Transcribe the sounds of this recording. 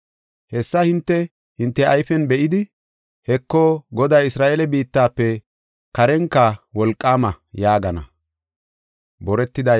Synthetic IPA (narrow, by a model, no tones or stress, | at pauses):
hɛsːɐhɪnt̪ːɛ | hɪnt̪ːɛɐjfɛnbɛʔɪd̪ɪ | hɛkːoɡɔd̪ɐjɪsɾaːʔeːlɛbiːt̪ːaːpːɛ | kɐɾɛŋkːɐwɔlkʼːaːmɐ | jaːɡɐnɐ̰ | bɔɾɛt̪ːɪd̪ɐ